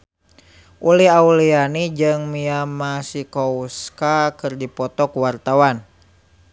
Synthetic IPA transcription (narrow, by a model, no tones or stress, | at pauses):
ʔuliɦaulianid͡ʒɨŋmiamasikɔuskakɨrdipɔt̪ɔkuwart̪awan